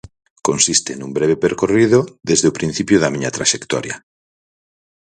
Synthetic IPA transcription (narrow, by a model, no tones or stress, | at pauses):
konsist̪enumbɾɛβ̞epeɾkorið̞oðezðeʊpɾĩn̟θipjʊðɐmiɲɐt̪ɾaʃekt̪ɔ̰ɾjɐ̰